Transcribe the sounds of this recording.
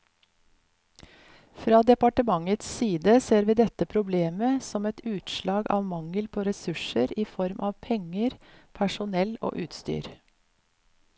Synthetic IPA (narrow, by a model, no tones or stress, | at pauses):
fɾɑːd̪ɛpɑʈəmɑŋət̪ssiːd̪əseːɾʋiːd̪ɛt̪əpʰɾʊbleːməsɔmɛt̪ʉːt̪ʃlɑːɡɑ̰ːʋmɑŋəlpʰoːɾɛsʉʃəɾiːfɔɾmʔɑːʋpʰɛŋəɾpʰæʂʊnɛlo̰ːʔʉːt̪st̪y̰ːɾ